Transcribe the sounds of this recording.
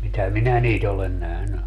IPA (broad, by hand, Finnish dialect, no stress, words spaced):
mitæ minæ niːt olen næhny